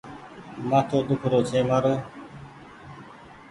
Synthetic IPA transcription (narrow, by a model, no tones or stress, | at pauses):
mãːt̪ʰoːd̪ʊkʰɾoːt͡ʃʰeːməɾə